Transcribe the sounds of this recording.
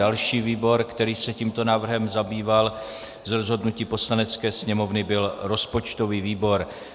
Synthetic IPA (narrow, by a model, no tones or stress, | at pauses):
alʃiːviːbo̞ɾkt̪ɛɾiːsɛciːmt̪o̞naːvr̩ɦɛmzabiːval | zɾozɦo̞dnuciːpo̞slanɛt͡skɛːsɲɛmo̞vnɪbɪlɾo̞spo̞t͡ʃt̪o̞viːviːbo̞ɾ